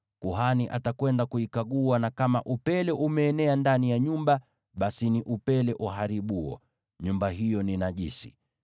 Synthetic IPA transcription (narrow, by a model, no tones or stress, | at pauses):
kuɦaniʔa̰takwɛndakuikaɠuanakamaʔupɛlɛʔumɛːnɛandanijaɲumba | ɓasiniʔupɛlɛʔuɦaɾiɓuɔ̰ | ɲumbaɦijɔninaʄisi̥̰